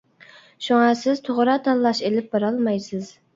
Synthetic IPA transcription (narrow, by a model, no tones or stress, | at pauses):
ʃuŋɑsɪzt̪ʰoʁɾɑt̪ʰɑnlˠɑʃelɪp̚bɑɾɑlˠmɑjsɪz̥